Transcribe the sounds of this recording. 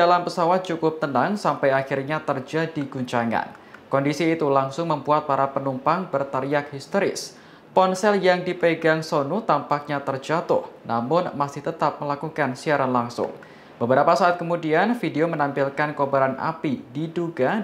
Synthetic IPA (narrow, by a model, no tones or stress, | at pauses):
dalampəsawat̪̚t͡ʃukʊp̚t̪ənaŋsampajaxirɲat̪ərd͡ʒadiɡuɲt͡ʃaŋa̰n | kɔndisiːt̪ulaŋsʊŋməmbuat̪̚paɾapənumpaŋbərt̪əɾiak̚hist̪oɾɪ̰s | pɔnsɛljaŋdipəɡaŋsonut̪ampak̚ɲat̪ərd͡ʒat̪ʊ̰hnamʊnmasɪht̪ət̪ap̚məlakukansiaɾanlaŋsʊ̰ŋ | bəbəɾapasaːt̪̚kəmudianfideomənampɪlkankobaɾanʔa̰pididuɡa